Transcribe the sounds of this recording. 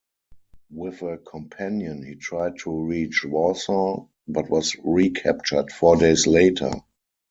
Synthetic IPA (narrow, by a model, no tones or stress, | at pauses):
wɪθəkʰɔ̃mpʰæ̃njə̃nhiːtʰɹaɪd̚tʰuɹiːt͡ʃwɔsɔ | batwɔsɹikʰæp̚t͡ʃə˞dfɔɹdeɪsleɪtʰə̰˞